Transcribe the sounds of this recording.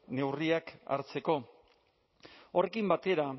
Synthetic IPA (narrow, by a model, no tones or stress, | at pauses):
ne̞wriaka̰ɾt͡se̞ko̞ | ore̞kimbat̪e̞ɾa